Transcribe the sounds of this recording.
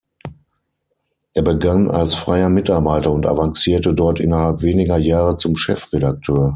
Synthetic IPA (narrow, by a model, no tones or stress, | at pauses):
ʔeːɐbəɡanʔa̰lsfʁ̥aɪɐmɪtaɐbaɪtɐʊntʔa̰vaŋsiːɐtədɔɐtʔɪnɐhalpv̥eːnɪɡɐjaːʁət͡sʊmʃɛfʁedak̚tʰøːɐ